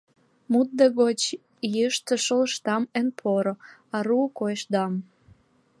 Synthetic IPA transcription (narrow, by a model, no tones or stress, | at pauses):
mut̪̚d̪eɣot͡ɕ | jəʃt̪ə̆ʃələʃt̪ɑmenpʰoɾŏɑɾukojʃd̪ɑm